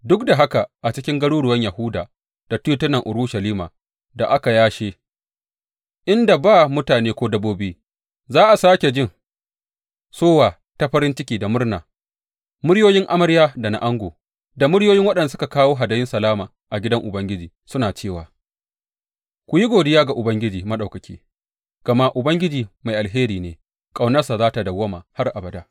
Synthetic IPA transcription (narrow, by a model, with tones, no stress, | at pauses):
dʊ˦kda˨ɦa˦ka˨ʔa˨t͡ʃɪ˦kʲɪ˦ŋɡɐ˦ɽuː˦ɽʊ˨wɐ˦ɲja˨hʊ˦daː˨ | d̥a˨tuː˦tʊ˦nːɐ˨ŋʔʊ˨ɾʊ˦ʃa˨liː˦ma̰ː˨ | da˨ʔa˦ka˨jaː˦ʃeː˦ | ʔɪ˦nda˨baː˦mʊ˦taː˨neː˦kʷoː˦dɐ˦boː˦bɪ˦iː˦ | zaː˦ʔa˨saː˦kʲe˨d͡ʒɪ˦˨ŋ | soː˦waː˨ | ta˦ɸɐ˦ɾɪ˦nt͡ʃɪ˦kʲiː˨da˨mʊ˦rna̰ː˨ | mʊ˦ɽjoː˦jɪ˦ŋʔa˦mɐ˦ɽjaː˦da˨na̰˨ʔa˦ŋɡʷoː˨ | da˨mʊ˦ɽjoː˦jɪ˦ŋwɐ˦ɗɐ˨ndsʊ˦ka˨kaː˦woː˦ɦa˨da˦jɪ˦nsɐ˨laː˦maː˨ | ʔa˨ɡʲɪ˦dɐ˦ŋʔʊ˨bɐ˦ŋɡʲɪ˦d͡ʒiː˨sʊ˦naː˨t͡ʃeː˦˨waː˨ | kʷʊ˨ji˦ɡʷoː˨dɪ˦jaː˦ɡa˨ʔʊ˨bɐ˦ŋɡʲɪ˦d͡ʒiː˨mɐ˦ɗa˨kɐ˨kʲʰḭː˦ | ɡ̥ɐ˨ma˦ʔʊ˨bɐ˦ŋɡʲɪ˦d͡ʒiː˨ma˨jʔa˨lɦeː˦ɾiː˨neː˨ | kʼa˨wnɐ˦rsa˨zaː˦ta˨dɐ˨wːɐ˦ma̰ː˨ha˦rʔa˨bɐ˨daː˦